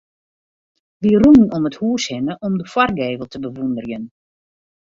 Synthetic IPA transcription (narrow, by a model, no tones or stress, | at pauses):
ʋirunnɔməthuːshɪnəʔɔmdəfwɔrɡeːvəlˠtʰəbəʋundərjən